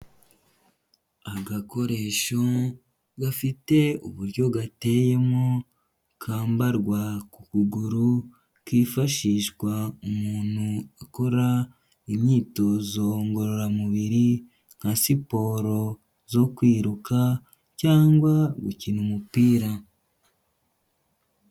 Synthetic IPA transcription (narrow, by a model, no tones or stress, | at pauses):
aɡako̞ɾe̞ʃo̞ | ɡafite̞ṵβuɾjo̞ɡate̞je̞mo | kʰaːmbaɾɡwakukuɡuɾu | kiːfaʃiːʃɡwaumuːn̥huako̞ɾa | imɲiːto̞ːzo̞ŋɡo̞ɾo̞ɾamuβiɾi | ŋ̥hasipo̞ːɾo̞ | zo̞kwiːɾuka | caːŋɡwaɡuciːnumupiːɾa